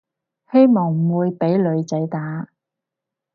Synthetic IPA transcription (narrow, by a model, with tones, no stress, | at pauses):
he˥jmɔː˨˩ŋm̩˨˩wuː˨˧jpe˨˥jlɵ˨˧ɥt͡sɐ˨˥jt̪aː˨˥